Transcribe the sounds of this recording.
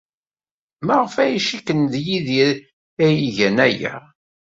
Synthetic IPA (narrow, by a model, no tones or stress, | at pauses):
məʁəfæjiʃikːənðjiðiɾ | æjiʝænæjæ̰